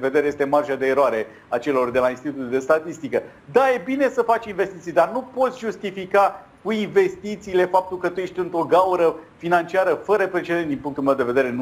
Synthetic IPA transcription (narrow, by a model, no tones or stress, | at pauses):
ve̞d̪eɾe̞je̞st̪e̞marʒad̪e̞ːɾoaɾe̞ | at͡ʃe̞lo̞rd̪e̞lainst̪it̪ut̪uld̪e̞st̪at̪ist̪ikə | d̪aje̞bine̞səfat͡ʃʲinvest̪it̪sijd̪arnupo̞t̪sʲʒust̪ifika | kuinve̞st̪it̪siːle̞fap̚t̪ulkət̪uje̞ʃt̪ʲɨnt̪ɾo̞ɡawɾəfinant͡ʃiaɾəfəɾəpɾe̞t͡ʃe̞d̪e̞nt̪d̪inpuŋk̚t̪ulme̞wd̪e̞ve̞d̪e̞ɾe̞n